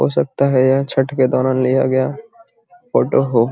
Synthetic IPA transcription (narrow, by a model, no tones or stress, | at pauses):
ɦo̰sɐk̚t̪aɦɛjɛ̃t͡ʃʰɐʈked̪ɔːɾãːnlijaɡɐjaː | foːʈoɦoː